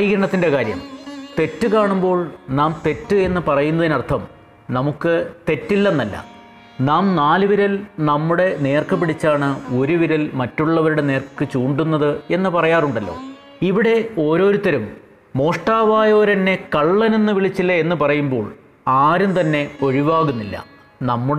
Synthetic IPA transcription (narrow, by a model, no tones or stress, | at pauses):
jiɡɾɐɳɐt̪ːinde̞kaːɾjɐ̰mt̪e̞tːɨkaːɳumbo̞ːɭnaːmt̪e̞tːɨe̞nːɨpɐrɐjunːɐðinɐrt̪ʰɐm | nɐmukːɨt̪e̞tːilːɐnːɐlːɐ̰ | naːmnaːlɨʋiɾɐlnɐmːuɽe̞ne̞ːrkɐpːiɽit͡ɕːaːɳɨo̞ɾuʋiɾɐlmɐtːuɭːɐʋɐɾuɽe̞ne̞ːrkːɨt͡ɕuːɳɖunːɐðɨe̞nːɨpɐrɐjaːruɳɖɐlːo̞̰ː | iʋiɽe̞o̞ːɾo̞ːɾut̪ːɐɾumː | o̞ːʂʈaːʋaːjo̞ːɾɐnːe̞kɐɭːɐnenːɨʋiɭit͡ɕːilːɐe̞nːɨpɐrɐjumbo̞ːɭ | aːɾumt̪ɐnːe̞o̞ɻiʋaːɣunːilːɐ̰ | nɐmːuɽ